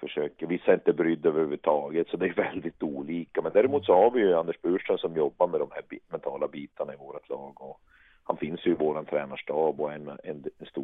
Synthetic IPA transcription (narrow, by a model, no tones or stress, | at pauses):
fœʂøːkəvɪsːaɪnt̪əbɾʏd̪ːøvəɾhʉːvːʉt̪ʰɑːɡət̪sɔd̪ɛæɾjɵvɛld̪ɪt̪uːliːkamɛnd̪æːɾɛmuːt̪sɔhaɾvɪjɵand̪əʂbʉːʂənsɔmjɔbːaɾmɛd̪ɔmhæɾbmɛnt̪ʰɑːlabiːt̪aɳaɪvoːɾat̪ʰlɑːɡɔ | ha̰nfɪnsjɵɪvoːɾant̪ʰɾɛːnaʂʈɑːbɔɛnɛ̰nɛnst̪uː